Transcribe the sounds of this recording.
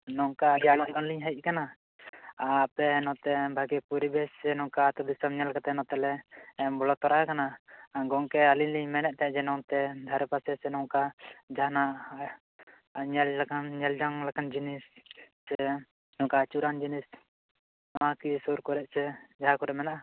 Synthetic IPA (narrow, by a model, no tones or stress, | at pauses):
nɔŋkad͡ʒanaʔɡɔnliɲɦaiʔ̚ˀkana | aːpɛnɔ̃t̪ɛbʱaɡɛpuɾibɛsɛnɔŋkaːt̪ɔd̪isamɲɛlkat̪ɛnɔ̃t̪ɛlɛːmbɔlɔt̪ɔɾakanaɡɔŋkɛalinliɲmɛnɛʔ̚ˀt̪ɛd͡ʒɛnɔt̪ɛd̪ʱaɾɛpasɛsɛnɔŋkad͡ʒaɦana | ɲɛllakanɲɛld͡ʒaŋlakand͡ʒinisː | ɛ | nɔkaːt͡ʃuɾand͡ʒinis | nɔwakisuɾkɔɾɛʔsɛd͡ʒaɦakɔɾɛʔmɛnaʔa